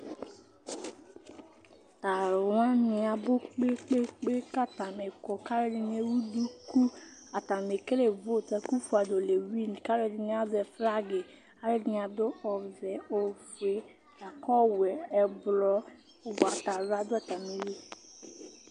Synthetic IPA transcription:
ta˨ɾwã˦nɪ̃˨a˨bo˦k͡pe˦k͡pe˦k͡pe˦ka˦ta˨me˨kɔ˨ka˦ɾe˦dɪ˨n˦e˦wu˦du˦ku˦a˨ta˨me˨ke˦le˨vo˦˨ta˨ku˦fu˨a˨do˨le˨wi˦n˨ka˦ɾe˦dɪ˨ni˦a˦zɛ˨fɾa˦ɡe˨ | a˦ɾe˦dɪ˨n˨a˨dʊ˦ɔ˨zɛ˨o˨ve˨ | a˨kɔ˦wɛ˨ɛ˨blɔ˦˨ | ba˨ta˨ɾa˦dʊ˦a˨ta˨me˨ɾi˦

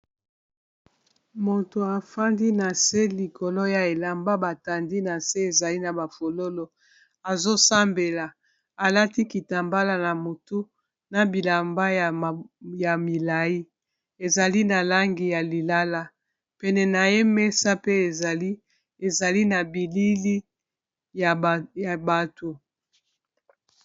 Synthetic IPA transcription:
mo˨to˨a˨fa˦ndi˦na˨se˦li˨ko˨lo˦ja˨e˨la˨mba˦ba˨ta˨ndi˦na˨se˦e˨za˨li˦na˨ba˨fo˨lo˦lo˦ | a˨zo˦sa˦mbe˨la˨ | a˨la˦ti˦ki˨ta˨mba˦la˨na˨mo˨tu˦ | na˨bi˨la˨mba˦jja˨mi˨la˨ji˦ | e˨za˨li˦na˨la˦ŋɡi˨ja˨li˨la˦la˦ | pɛ˨nɛ˨na˨je˦me˦sa˦pe˦˨i˦ | e˨za˨li˦na˨bi˨li˦li˦ | ja˨ja˨ba˨to˨

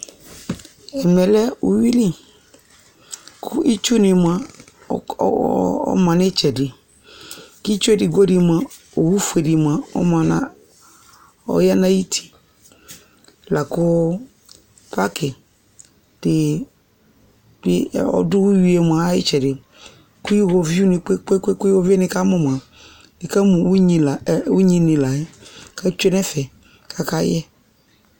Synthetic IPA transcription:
ɛ˨mɛ˨lɛ˦u˨wi˦li˦ | kʰʊ˦i˦t͡ʃu˦nɪ˨ma˨ | ɔ̰˦mã˨nɪ˦t͡ʃɛ˨dɪ˨ | ki˦t͡ʃu˦e˦di˨ɡo˦di˨ma˨ | o˨wu˦fu˨e˨di˨m˨a˨ɔ̰˦ma˨na˦ | ɔ̰˦ja˦na˦ji˦tʰi̥˨ | la˨kʊ˦ | pa˦kɪ˨ | d̥ɪ˨ | dɪ˦˨ɔ̰˦dʊ˦wu˦ji˨˦e˨m˨a˨˦jɪ̰˦t͡ʃɛ˨dɪ˨ | ku˦ji˦wo˨vi˦u˦nɪ˨k͡pe˦k͡pe˦ke˦ko˦vi˦ɛ˦nɪ˦ka˦mɔ˨m˨a˨ | d̥ɪ˨ka˦mũ˨wu˦ɲi˨la˨u˦ɲĩ˦nĩ˨la˨ɛ˦ka˦t͡ʃe˦nɛ˦fɛ˨ | kʰa˨ka˦jɛ˦

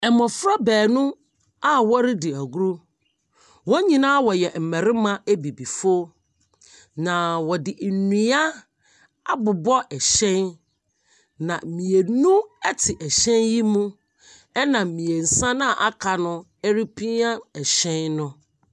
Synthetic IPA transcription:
ɛ˨mɔ̃˨fɾa˦bɛː˨nʊ̃˦ | a˦wɔ˦ɾɪ˦dɪ˨æ˨ɡu˦ɾu˦ | wɔ˦ɲĩ˨nã˦wɔ˨jɛ˨m̩˨mɛ̃˨ɾɪ˦mã˦ʔe˦bi˨bi˨fo˦ | nã˨wɔ˨dɪ˨nĩ˨a˦ | a˦bʊ˨bɔ˦ʔɛ˨ɕɛ̃˦n | nã˨mĩ˨e˨nũ˦ɛ˦tʰɪ˨ʔɛ˨ɕɛ̃˦nji˦mũ˦ | ɛ˦nã˨mĩ˨e˨n̩˨sã˦nã˦˨ʔa˦kʰa˨nʊ̃˦ | ɛ˦ɾi˦pʰi˦a˦ɛ˨ɕɛ̃˦nnʊ̃˦

